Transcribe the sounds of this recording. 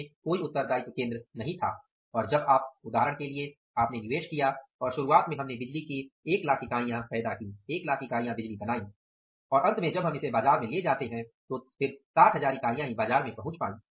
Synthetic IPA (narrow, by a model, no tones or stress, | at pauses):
koːiʊt̪ːəɾd̪aːit̪okẽːnd̪ɾənɐɦĩt̪ʰa̰ː | ɔːɾd͡ʒɐbaːp̚ʊd̪ʱaːɦɾəɽ̃kelie | aːpnenɪʋeːʃkijaɔːɾʃʊɾuaːt̪mẽɦɐmnebɪd͡ʒlikieːklaːkikaːijãpɛːd̪akĩːeːklaːkikaːijãbɪd͡ʒlibɐnaːĩ | ɔːɾɐ̃nt̪mẽd͡ʒɐbɦɐmɪsebaːzaːɾmẽled͡ʒaːt̪eɦɛ̃t̪ofɪɾsaːʈʰɦɐzaːɾikaːijãɦĩbaːzaːɾmẽpɐɦʊ̃t͡ʃpa̰ːĩː